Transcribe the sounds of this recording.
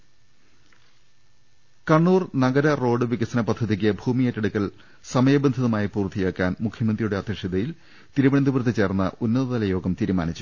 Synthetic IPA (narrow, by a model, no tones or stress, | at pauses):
kɐɳːuːrnɐɡɐɾɐro̞ːɖɨʋiɡɐsɐnɐpɐd̪ʱːɐðik̬ʲːɨbʱuːmijetːɐɽukːɐl | sɐmɐjɐbɐnd̪ʱɐðɐmaːjipuːrt̪ʰːijeːkːaːnmukʰjɐmɐnd̪rijuɽeɐd̪ʱjɐʂjiðɐjil | t̪iɾuʋɐnɐnd̪uʋrt̪ːit͡ɕe̞ːrnːɐ̰ʔunːɐðɐðɐlɐjo̞ːɡɐmt̪iːɾumaːnit͡ɕːu̥